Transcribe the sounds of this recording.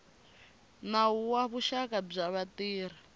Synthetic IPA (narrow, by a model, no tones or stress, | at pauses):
nauwaβuʃakab͡ʐaβatiːɾ̤i